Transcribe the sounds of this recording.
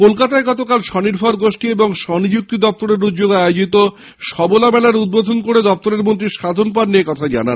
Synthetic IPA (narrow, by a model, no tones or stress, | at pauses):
kolkat̪aeɡɔt̪okalʃɔniɾbʱɔɾɡoʃʈieboŋʃɔnid͡ʑuk̚t̪id̪ɔp̚t̪oɾeɾud̪d͡ʑoɡajod͡ʑit̪o | ʃɔbolamɛlaɾud̪̚bod̪ʱonkoɽed̪ɔp̚t̪oɾeɾmont̪̬ɾiʃad̪ʱonp̬aɾniekɔt̪ʰad͡ʑa̰na̰n